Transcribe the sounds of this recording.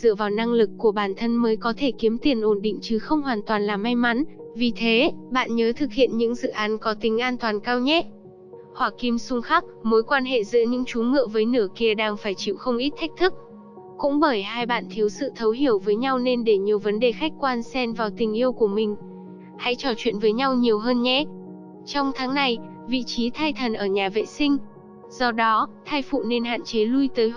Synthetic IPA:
zɨ̰˧˨əvaː˨˩wna˧ŋlɨ˨˩kːu˧˩əɓaː˧˩nt̪ʰə˧nməː˨˦jkɔ˨˦t̪ʰe˧˩ki˨˦əmt̪i˨˩ənʔo˧˩nɗḭ˧˨ŋ̟t͡ɕɨ˨˩xə˧wŋ͡mhwaː˨˩nt̪waː˨˩nlaː˨˩mːa˧jma˨˦nvi˨˩t̪ʰe˨˦ɓa̰ː˧˨nɲəː˨˦t̪ʰɨ˨˩k̚hḭ˧˨ənɲɨ̰˧˥ŋzɨ̰˧˨ʔaː˨˦nkɔ˨˦t̪ï˨˦ŋ̟ʔaː˧nt̪waː˨˩nkaː˧wɲɛ˦˥ | hwaː˨˩ki˧msʊ˧ŋ͡mxaː˦˥k̚mo˨˦jkwaː˧nɦḛ˧˨zɨ̰˧˥əɲɨ̰˧˥ŋt͡ɕu˨˦ŋɨ̰˧˨vəː˨˦jnɨ˧˩əki˧˩əɗaː˧ŋfaː˧˩jt͡ɕḭ˧˩˨wxə˧wŋ͡mʔi˦˥t̚t̪ʰa˦˥k̚t̪ʰɨ˦˥k̚ | kʊ̰˧˥ŋ͡mɓəː˧˩jhaː˧jɓa̰ː˧˨nt̪ʰi˨˦əwsɨ̰˧˨t̪ʰə˨˦wɦi˧˩əwvəː˨˦jɲa˧wne˧nɗe˧˩ɲi˨˩əwvə˨˦nɗe˨˩xa˦˥jk̟̚kwaː˧nsɛ˧nvaː˨˩wt̪ï˨˩ŋ̟ʔi˧əwku˧˩əmï˨˩ŋ̟ | ha̰˧˥jt͡ɕɔ˧˩t͡ɕwḭ˧˨ənvəː˨˦jɲa˧wɲi˨˩əwɦəː˧nɲɛ˦˥ | t͡ɕɔ˧wŋ͡mt̪ʰaː˨˦ŋna˨˩j | vḭ˧˨t͡ɕi˨˦t̪ʰaː˧jt̪ʰə˨˩nʔəː˧˩ɲaː˨˩vḛ˧˨sï˧ŋ̟ | z̥ɔ˧ɗɔ˨˦t̪ʰaː˧jfṵ˧˨ne˧nɦa̰ː˧˨nt͡ɕe˨˦lu˧jt̪əː˨˦j

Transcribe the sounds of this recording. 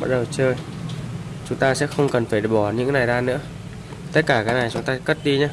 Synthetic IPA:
ɓa˦˥t̚ɗə˨˩wt͡ɕəː˧j | t͡ɕʊ˨˦ŋ͡mt̪aː˧sɛ̰˧˥xə˧wŋ͡mkə˨˩nfaː˧˩ɗɓɔ˧˩ɲɨ̰˧˥ŋna˨˩jzaː˧nɨ̰˧˥ə | t̪ə˦˥t̚kaː˧˩kaː˨˦jna˨˩jt͡ɕʊ˨˦ŋ͡mt̪aː˧kə˦˥t̚ɗi˧ɲa˧˩

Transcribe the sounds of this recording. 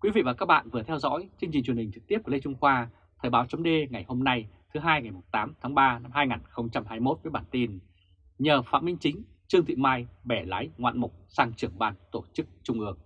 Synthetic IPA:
kwi˨˦vḭ˧˨vaː˨˩kaː˦˥k̚ɓa̰ː˧˨nvɨ˨˩ət̪ʰɛ˧wzɔ̰˧˥jt͡ɕɨ˧ŋt͡ɕi̟˨˩t͡ɕwhï̟˨˩t͡ɕɨ˨˩k̚t̪i˦˥əp̚kːlə˧jt͡ɕʊ˧ŋ͡mxwaː˧ | t̪ʰəː˨˩ɓaː˨˦wt͡ɕə˨˦wŋ͡mɗe˧ŋa˨˩jho˧mna˧jt̪ʰɨ˨˦ɦaː˧jŋa˨˩jmo˨˩t̚t̪aː˨˦mt̪ʰaː˨˦ŋɓaː˧na˧mɦaː˧jŋaː˨˩nxə˧wŋ͡mt͡ɕa˧mhaː˧˩jmo˦˥t̚vəː˨˦jɓaː˧˩nt̪i˧n | ɲəː˨˩fa̰ː˧˥mï˧ŋ̟t͡ɕï˨˦ŋ̟ | t͡ɕɨ˧əŋt̪ʰḭ˧˨maː˧jɓɛ˧˩la̰ː˨˦jŋwa̰ː˧˨nmʊ˨˩k͡p̚saː˧ŋt͡ɕɨ˨˧˩əŋɓaː˧˩nt̪o˧˩t͡ɕɨ˦˥k̚t͡ɕʊ˧ŋ͡mʔɨ˧˩əŋ

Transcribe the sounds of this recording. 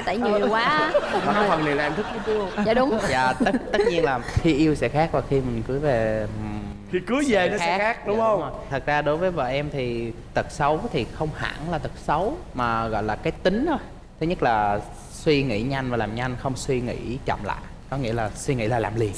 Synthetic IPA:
jt̪ə̰ː˧˩jɲi˨˩əwkwaː˨˦aː˨˩ka˧˦wa˨˩li˨˩˨nt̪ɨ˦˥k̚ːi˧˦t͡ɕɨ˧ə˨a˧˨ɗʊ˨˦ŋ͡mza̰ː˧˨˩t̪ə˦˥t̪ə˦˥t̚ɲi˧ənlaː˨˩xi˧ʔi˧əwsɛ̰˧˥xaː˦˥k̚vaː˨˩xi˧mï˨˩ŋ̟kɨ˨˦ve˨˩˨ | i˧kɨ˨˦əze˨˩nɔ˨˦˧ɛː˦˥xaː˦˥k̚ɗʊ˨˦ŋ͡mə˧wŋ͡mmː˨˩t̪ʰɨ˨˩t̚zaː˧ɗo˨˦jvəː˨˦jvə̰ː˧˨ʔɛ˧mt̪ʰi˨˩ | t̪ɨ˨˩t̚sə˨˦wt̪ʰi˨˩xə˧wŋ͡mha̰ː˧˥nlaː˨˩t̪ɨ˨˩t̚sə˨˦wmaː˨˩ɣɔ̰˧˨jlaː˨˩kaː˨˦jt̪ï˨˦ŋ̟t̪ʰo˧j | t̪ʰe˨˦ɲə˦˥k̚laː˨˩ | swi˧ŋḭ˧˥ɲa˧jŋ̟vaː˨˩laː˨˩mɲa˧jŋ̟xə˧wŋ͡mswi˧ŋḭ˧˥t͡ɕə̰˧˨ŋ͡mla̰ː˧˨j | kɔ˨˦ŋḭ˧˥əlaː˨˩swi˧ŋḭ˧˥laː˨˩laː˨˩mli˨˩ə

